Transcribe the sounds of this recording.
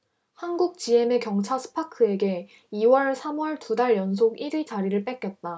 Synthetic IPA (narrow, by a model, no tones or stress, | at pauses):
hanɡuk̚t͡ɕ͈ie̞me̞kjʌŋt͡ɕʰasʰɯ̥pʰakʰɯe̞ɡe̞ | iwʌɭsʰamwʌɭtudaɭjʌns̬ʰoɡiɾit͡ɕaɾiɾɯɭp͈ek͈jʌt̚t͈a